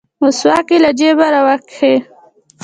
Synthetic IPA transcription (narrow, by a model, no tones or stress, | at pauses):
ʊswakilad͡ʒebaɾawakxe